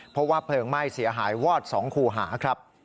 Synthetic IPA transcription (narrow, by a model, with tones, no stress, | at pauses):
pʰo˦˥p̚waː˥˩pʰlɤː˧ŋma˥˩jsi˩˦ɐɦaː˩˦jwɔː˥˩t̪̚sɔː˩˦ŋkʰuː˧ɦaː˩˦kʰɾa˦˥p̚